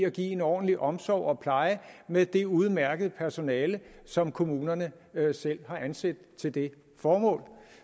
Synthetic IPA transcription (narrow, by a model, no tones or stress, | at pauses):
æɡ̥ḭːe̝nɒ̰ːd̥n̩liʔɒ̽msɒʊ̰ɒ̽pʰlɑ̈ɪəmed̥e̝uð̞̩ˠmæɐɡ̥əð̞̩ˠpʰæɐso̝nɛːləsɒ̽mkʰo̝muːnɐnə | sel̰hɑ̈ʔænsed̥t͡sʰe̝ld̥e̝ | fɒːmɔ̰̽ːl